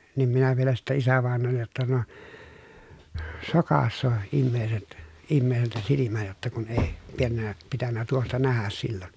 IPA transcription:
niːm minæ ʋielæ sitːæ isæʋɑˑenˑoːlːej jotːɑ no sokɑsːoː imːeːset imːeːseltæ silimæ jotːɑ kun eˑi pienːæ pitænːæ tuostɑ næhæs silːon

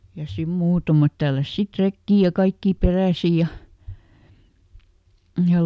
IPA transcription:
jɑ sim muːtɑmɑt tælːæs sit rekːiː jɑ kɑikːiː peræˑsi jɑ jɑ

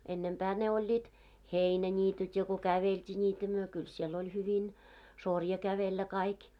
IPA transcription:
enːempæː ne olʲːiːt heinænʲiːtyt jɑ ko kæʋeltʲiː nʲiːtæ myø kyl siel hyʋin sorjɑ kæʋelːæ kɑik

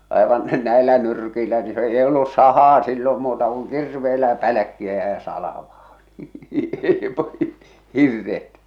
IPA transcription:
ɑˑeʋɑn næelːæ nyrkiːlæ ni se ei olːus sɑhɑː silːom muːtɑ kuŋ kirʋeːlæ pælæ̆kːiæ jɑ sɑlɑ̆ʋɑː n̥i̥ hirːet

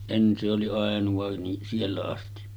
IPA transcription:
en se oli ɑˑenuʋɑ ni sielːæ ɑsti

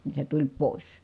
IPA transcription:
ni se tulʲ poˑis

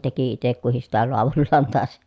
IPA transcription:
teki itek kuhis sitæ loɑʋulːɑːn tɑˑes

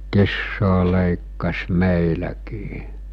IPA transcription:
kisːoː leˑikːɑs meˑilækiː

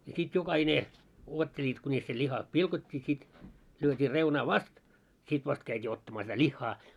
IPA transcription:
jɑ sit jokɑhine uotːelʲiːt kunʲis se lʲihɑ pilkotʲːiː sit lyøtʲiː reunɑː ʋɑst sit ʋɑst kæitʲiː otːɑmɑː sitæ lʲihːɑː

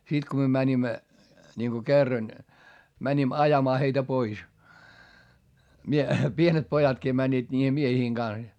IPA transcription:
si ko myø mænimːæ nʲiŋko kerːɑn mænʲim ɑjɑmɑː heitæ pois mie pienet pojɑtkiː mænʲːiːd̥ niːhe miehiːŋ ɡ̊ɑns jɑ

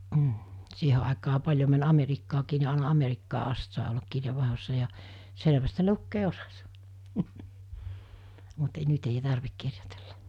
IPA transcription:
m̩ siːhe ɑˑekɑː pɑlʲjo mæn ɑ̥merikːɑːkiː ni ɑˑenɑ ɑ̥merikːɑː ʔɑst sɑˑe olːɑk kirjeʋːɑˑehosːɑ jɑ seleʋæst se lukːeː osɑ̥s mut e nyt ei tɑrʋik kirjote̥l̥ːɑ̥

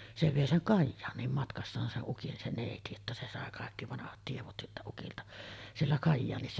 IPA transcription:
se ʋeˑi seŋ kɑjːɑːnˑiːm mɑtkɑsːɑːn seʔ ʔukin se neˑiti etːæ se sɑˑe kɑˑekːi ʋɑnɑhɑt tieʋot siltæ ukiltɑ sielːæ kɑjːɑːnisːɑ

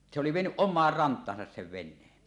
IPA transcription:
niʔ se oli ʋienyʔ ʔomˑɑːr rɑntˑɑːsɑs seʋ ʋenˑeːn

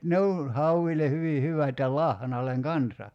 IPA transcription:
ne on̞ hɑuʋile hyʋi hyʋæt jɑ lɑhnɑlˑeŋ kɑnsɑ

